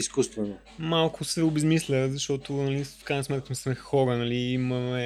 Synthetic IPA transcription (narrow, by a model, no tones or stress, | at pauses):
iskust̪vɛno | malˠkʰʊsɛʊbɛzmislʲəzɐʃt̪ɔt̪ʊnɐlifkɾajnɐsmɛt̪̚kəsmsmɛxɔɾənɐliimɐmɛ